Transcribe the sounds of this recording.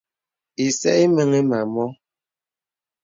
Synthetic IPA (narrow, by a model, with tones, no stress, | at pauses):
i˨sɛ̰˦ʔi˦mə˦ŋe˦ma˨mɔ˦